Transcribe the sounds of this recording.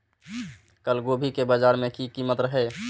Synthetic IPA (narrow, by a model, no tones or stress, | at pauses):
kəlɡobʱikebad͡ʒaɾmẽkikimət̪ɾəɦe